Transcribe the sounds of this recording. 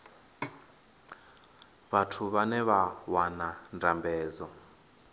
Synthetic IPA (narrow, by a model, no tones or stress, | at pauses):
βatʰuβanɛβawanandambɛːzɔ